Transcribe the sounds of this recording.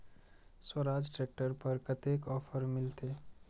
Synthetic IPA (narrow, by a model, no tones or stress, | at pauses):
swəɾaːd͡ʒʈɾeːk̚ʈəɾpɐɾkət̪ekɔːfʰəɾmɪlt̪eː